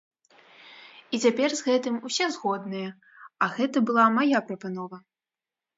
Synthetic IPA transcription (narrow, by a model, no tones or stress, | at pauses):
it͡sʲapʲɛrzɣɛt̪ɨmusʲɛzɣɔd̪nɨjɐ | ɐɣɛt̪ɐbɨlˠamajapɾɐpanɔvɐ